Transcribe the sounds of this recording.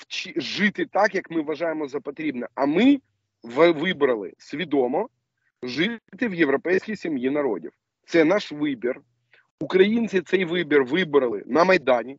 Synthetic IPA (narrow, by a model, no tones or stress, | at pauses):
t͡ʃiʒɪt̪ɪt̪akjɐkmɪʋʋːɐʒajɪmɔzɐpɔt̪ɾʲibnɛʔɐmɪ | ʋʋɪbɾɐlˠɪ̰sʲʋʲid̪ɔmɔ | ʒɪt̪ɪʋjeʋɾɔpɛjsʲkʲijsʲimjinɐɾɔ̰dʲḭw | t̪sɛnaʃʋɪbʲir | ukɾɐjinʲt͡sʲɪt̪sɛjʋɪbʲirʋɪbɾɐlˠɪ̰nɐmɐjd̪anʲi